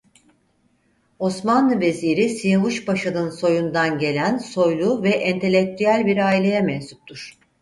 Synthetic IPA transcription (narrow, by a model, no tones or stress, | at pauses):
o̞smanlˠɯve̞ziɾisijavuʃbaʃanɯnso̞jund̪anɟe̞lʲænso̞jlˠuvɛʔɛnt̪ʰe̞lʲːec̚t̪ʰyjælʲbiɾaːilʲe̞jɛmɛnsup̚t̪ʰuɾ̥